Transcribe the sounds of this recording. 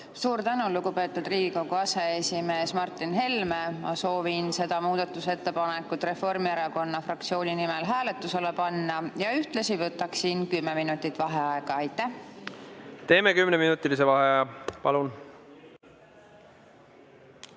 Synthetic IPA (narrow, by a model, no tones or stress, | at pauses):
suːɾt̪ænuluɡupe̞ːt̪ːˑud̪riːɡ̥iko̞ɡ̥uɑse̞esime̞ːsmɑrt̪ːˑinɦe̞lme̞mɑ̰so̞ːvinse̞d̪̥ɑmuːd̪̥ɑt̪ːˑuse̞t̪ːe̞pɑne̞kːˑut̪ːˑre̞fo̞rmieɾɑko̞nːɑfrɑkt̪sio̞ːnʲinimelɦæːle̞t̪ːˑuse̞lepɑnːɑjɑyht̪lɑsivɤt̪ːˑɑksinkymːeminut̪ːˑit̪ːˑvɑɦeɑeɡ̥ɑɑjt̪ːˑæh | t̪e̞ːmekymneminut̪ːˑilis̬evɑɦepɑlun